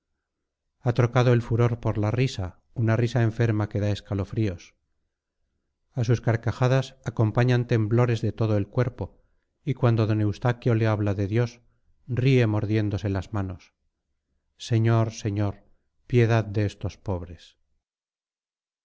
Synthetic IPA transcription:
at̪ɾo̞kaðoe̞lfuɾo̞ɾpo̞ɾlarisa | unarisae̞ɱfe̞ɾmake̞ðae̞skalo̞fɾios | asuskaɾkaxaðasako̞mpaɲant̪e̞mblo̞ɾe̞zðe̞t̪o̞ðoe̞lkwe̞ɾpo̞ | ikwand̪oðo̞ne̞wst̪akjo̞le̞aβlaðe̞ðjo̞s | rie̞mo̞ɾðje̞nd̪o̞se̞lazmano̞s | e̞ɲo̞ɾse̞ɲo̞ɾ | pje̞ðaðd̪e̞est̪o̞spo̞βɾe̞s

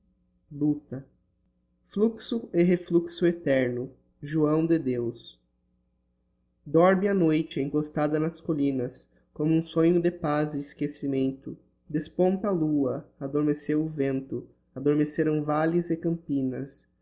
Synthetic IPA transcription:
but̪ɐ | fluksʊɪɦefluksʊet̪ɛɾnʊ | ʒuɐ̃w̃d̪ɪd̪ews | d̪ɔɾmɪ̃anojt͡ʃɪẽŋkost̪ad̪ɐnɐskolĩnɐs | kõmʊũsõɲʊd̪ɪpazɪɪskesimẽnt̪ʊ | d̪espõnt̪ɐaːluɐad̪oɾmesewʊvẽnt̪ʊ | ad̪oɾmeseɾɐ̃w̃valɪzɪkɐ̃mpĩnɐs

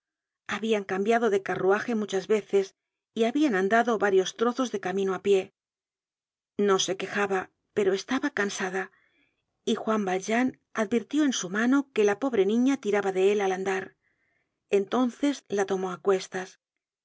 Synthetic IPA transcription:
aβiaŋkambjaðo̞ðe̞karuaxe̞mut͡ʃazβe̞θe̞s | iaβianand̪aðo̞βaɾjo̞st̪ɾo̞θo̞zðe̞kamĩno̞apje̞ | no̞se̞ke̞xaβa | pe̞ɾo̞e̞st̪aβakansaða | ixwambalʒan | aðbiɾt̪jo̞e̞nsumano̞ke̞lapo̞βɾe̞nĩɲat̪iɾaβaðee̞laland̪aɾ | e̞nt̪o̞nθe̞zlat̪o̞mo̞akwe̞st̪as

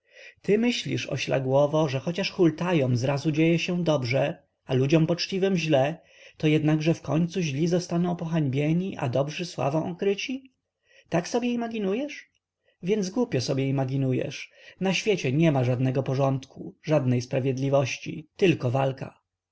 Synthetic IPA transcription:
t̪ɘmɘɕlʲḭʂɔ̰ɕla̰ɡwɔvɔʐɛxɔt͡ɕaʂxult̪ajɔmzɾazud͡ʑejɛɕɛd̪ɔbʐɛ | alud͡ʑɔmpɔt͡ʂt͡ɕivɘmʑlɛ | t̪ɔjɛd̪naɡʐɛfkɔɲt̪suʑlʲizɔst̪anɔ̃w̃pɔxaɲbʲjɛɲiʔa̰d̪ɔbʐɘswa̰vɔ̃w̃ɔkɾɘt͡ɕi | t̪aksɔbʲjɛimaɡʲinujɛʂ | vʲjɛnd̪zɡwupʲjɔsɔbʲjɛimaɡʲinujɛ̰ʂnaɕfʲjet͡ɕɛɲɛmaʐad̪nɛɡɔpɔʐɔnt̪kʰuʐad̪nɛjspɾavʲjɛd̪lʲivɔɕt͡ɕḭt̪ɘlkɔvalka̰

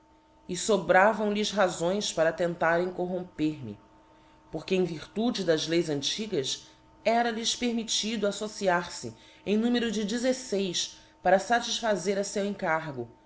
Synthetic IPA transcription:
ɪsobɾavɐ̃w̃lisɦazõj̃spaɾɐt̪ẽnt̪aɾẽj̃koɦõmpeɾmɪ̰ | poɾkɪẽj̃viɾt̪ud͡ʒɪd̪ɐzlejzɐ̃nt͡ʃiɡɐs | ɛɾɐlispeɾmit͡ʃid̪ʊasosiaɾsɪ̰ | ẽnũmeɾʊd͡ʒɪd͡ʒizesejs | paɾɐsat͡ʃiʃfazeɾɐsewẽŋkaɾɡʊ

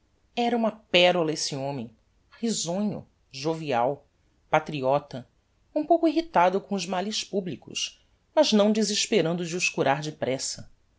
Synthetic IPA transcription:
ɛɾɐũmɐpɛɾolɐesiõmẽj̃ | χizõɲʊ̰ | ʒoviaw | pat̪ɾiɔt̪ɐ | ũpowkʊiɦit̪ad̪ʊkõʊzmaliʃpublikʊ̰ʃ | mɐznɐ̃w̃d͡ʒɪziʃpeɾɐ̃nd̪ʊd͡ʒɪʊʃkuɾaɾd͡ʒɪpɾɛsɐ

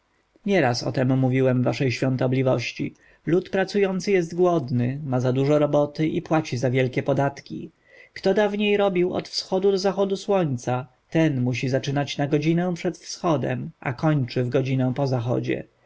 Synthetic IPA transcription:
ɲɛɾasɔ̰t̪ɛmːuvʲiwɛmvaʂɛjɕfʲjɔ̃nt̪ɔblʲivɔɕt͡ɕḭ | lut̪pɾat̪sujɔnt̪sɘjɛst̪ɡwɔd̪nɘmazad̪uʐɔɾɔbɔt̪ɘʔipwat͡ɕizavʲjɛlkʲɛpɔd̪at̪kʲḭ | kt̪ɔd̪avɲejɾɔbʲiwɔ̰t̪fsxɔd̪ud̪ɔzaxɔd̪uswɔɲt̪sa | t̪ɛnmuɕizat͡ʂɘnat͡ɕnaɡɔd͡ʑinɛw̃pʂɛt̪fsxɔd̪ɛ̰mʔa̰kɔɲt͡ʂɘvɡɔd͡ʑinɛw̃pɔzaxɔ̰d͡ʑɛ̰

